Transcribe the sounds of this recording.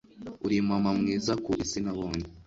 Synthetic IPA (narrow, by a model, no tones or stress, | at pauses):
uɾimamamŋiːzakuʔisinaβoːne